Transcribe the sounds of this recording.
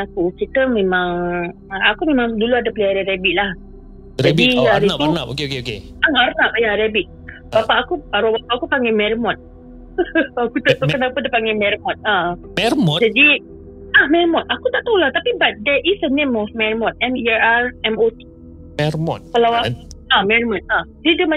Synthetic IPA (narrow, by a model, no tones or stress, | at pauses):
akusik̪əmẽmãŋ | akumẽmãŋduluadapəleaɾiɾɛbiʔ̪̚lah | aɛdiaɾinapokeokeokeaaɾnap̚jaɾɛbit̪̚ | bapaʔakuaɾubapaʔakupaŋɡɛmɛɾimɔ̃t̪̚ | akut̪aʔt̪akanapadepaŋɡɛmɛɾmɔt̪̚a | mɛɾmɔd͡ʒadi | ahmɛrmɔt̪̚akut̪aʔt̪awlat̪apibat̪̚dɛʔisdənẽmɔfmɛɹmɔt̪̚ɛ̃nɛɹaɹɛmot̪i̥ | mɛrmɔt̪̚kalawakuamɛɹmɔt̪̚adidəma